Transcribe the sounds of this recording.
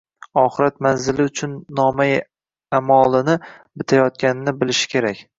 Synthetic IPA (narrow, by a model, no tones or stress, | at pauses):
ɒχɨɾat̪̚manzɪlɪʊt͡ʃʰʊnːɒmaj | amɒlˠɪnɪbɪt̪ʰajɒt̪̚kʲanɪnɪbɪlɪʃɪ̥kʲʰe̞ɾakʲ